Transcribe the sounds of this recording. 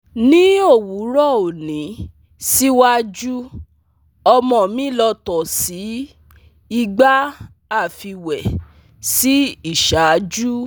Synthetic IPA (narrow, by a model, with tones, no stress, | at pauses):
nĩ˨˦o˦˨wu˨˦ɾɔ˦˨o˨nĩ˨˦ | si˦wa˦d͡ʒu˦ | ɔ˧mɔ̃˧˨mĩ˨˦lɔ˧tɔ˨si˨˦ | i˦˧ɡ͡ba˦ | a˦˨fi˧wɛ˨ | si˦i˦˨ʃa˨˦d͡ʒu˦